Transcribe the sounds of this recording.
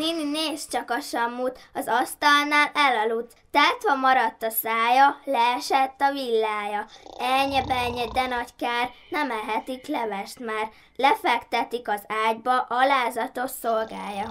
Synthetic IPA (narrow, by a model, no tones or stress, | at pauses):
ninineːst͡ʃɒkɒʃɒmːut̪ɒzɒst̪ɒlnaːlɛlɒlut̪ːaːt̪ʋɒmɒɾɒt̪ːɒsaːjɒlɛːɛʃɛt̪ːɒvilːaːjɒɛlɲɛbɛlɲɛd̪ɛnɒckaːrnɛmɛɦɛt̪iklɛvɛʃt̪maːr | lɛfɛkt̪ɛt̪ikɒzaːɟbɒʔɒlaːzɒt̪o̞ʃsolɡaːjɒ